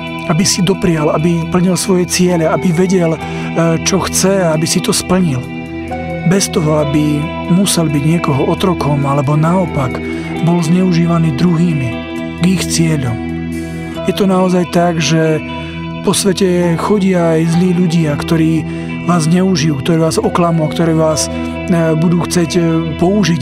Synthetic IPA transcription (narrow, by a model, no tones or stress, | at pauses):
abisid̪ɔpɾɪalabipl̩ɲilsʋɔjɛt͡sɪɛʎɛabiʋɛɟɛl | t͡ʃɔxt͡sɛaabisit̪ɔspl̩ɲil | bɛst̪ɔɦɔabi | musɛlbiɟɲɪɛkɔɦɔɔt̪ɾɔkɔmalɛbɔnaɔpaɡ | bɔlzɲɛuʒiːʋaniːd̪ɾuɦiːmi | ɡixt͡sɪɛʎɔm | jɛt̪ɔnaɔzajt̪aɡʒɛ | pɔsʋɛcɛxɔɟɪaːjzliːʎuɟɪakt̪ɔɾiː | ʋaːzzɲɛuʒijuːkt̪ɔɾɛːʋaːzɔklamuakt̪ɔɾɛːʋaːs | bud̪uːxt͡sɛcpɔuʒi